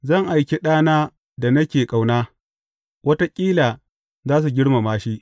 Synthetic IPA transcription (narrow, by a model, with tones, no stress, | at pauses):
zɐ˦˨ŋʔa˨jkʲe˦ɗaː˦naː˦ | da˨nɐ˦kʲeː˨kʼa˨wnaː˦ | wɐ˦ta˦kʲʼiː˦laː˨ | zaː˦s̬u˨ɡʲɪ˦ɽma˨maː˦ʃi˦ʔ